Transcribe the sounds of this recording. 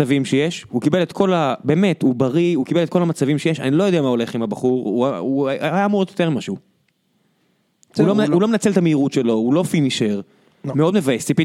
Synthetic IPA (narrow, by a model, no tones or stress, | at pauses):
avimʃejeʃhukibe̞let̪kʰo̞labe̞ːme̞t̪ubaʁiukibelet̚ko̞lamat͡savimʃejeʃa̰nilo̞jo̞d̪ɛamao̞le̞χimabaχuʁuauaajameod̪jot̪eʁmimaʃeu | ulomulo̞menat͡se̞lt̪ameiʁutʃe̞lo̞ulo̞finiʃeʁ | meo̞d̪mevaesipi